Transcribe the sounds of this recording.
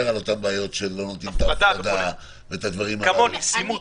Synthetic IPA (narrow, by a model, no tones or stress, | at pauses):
eʁalo̞t̪ambaːjo̞tʃelːonot̪int̪ad̪a | veet̪ad̪vaʁimhaaonisi